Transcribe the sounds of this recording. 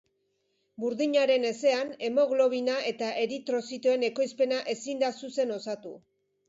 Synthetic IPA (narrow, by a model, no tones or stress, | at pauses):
buɾðiɲaɾe̞ne̞se̞ane̞mo̞ɣlo̞β̞inaʔe̞t̪aʔe̞ɾit̪ɾo̞sit̪oe̞ne̞ko̞jspe̞naʔe̞sind̪asuse̞no̞sat̪u